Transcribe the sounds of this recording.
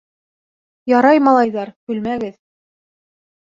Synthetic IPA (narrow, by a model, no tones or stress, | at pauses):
jɑɾɑjmɑlˠɑjðɑɾkʉlmæɡɘð